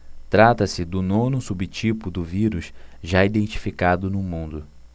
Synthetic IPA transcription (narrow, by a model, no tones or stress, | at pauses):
t̪ɾat̪ɐsɪd̪ʊnõnʊsubɪt͡ʃipʊd̪ʊviɾusʒaid̪ẽnt͡ʃi̥fikad̪ʊnʊmũnd̪ʊ